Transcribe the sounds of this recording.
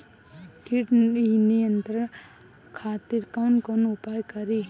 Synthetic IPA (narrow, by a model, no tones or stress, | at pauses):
kiʈinijənt̪ɾən | kʰat̪iɾkawnkonupajkʌɾi